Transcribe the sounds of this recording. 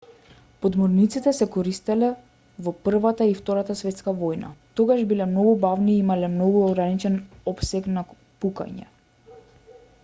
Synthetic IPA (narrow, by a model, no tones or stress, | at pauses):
pɔd̪mɔɾnit̪sit̪ɛsɛkɔɾist̪ɛlɛ | vɔpr̩vat̪aift̪ɔɾat̪asvɛt̪skavɔjna̰t̪ɔɡaʃbilɛmnɔɡubavniimalɛmnɔɡuɔɡɾanit͡ʃɛnɔpsɛkna | puka̰ɲɛ̰